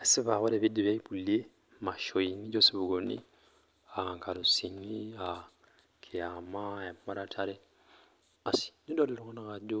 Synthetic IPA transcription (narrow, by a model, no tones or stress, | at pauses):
asiβaɣoleβidːiβjaipulje | maʃoiniɟosiβuɡonḭ | aŋkaɾusinia | kʰiamaemumaɾatʰaɾe | asi̥nidolelokonakaɟo